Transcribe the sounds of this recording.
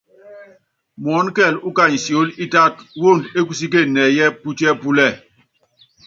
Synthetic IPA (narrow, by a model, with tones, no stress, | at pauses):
mɔ˨˦nkɛ˦˨lu˦ka˦˨ɲ˨si˨o˨˦li˦ta˦two˦˨nde˦ku˨s̬i˦k̬e˦˨nɛ˨jɛ˦pu˦tɛ˦pu˦lɛ˦˨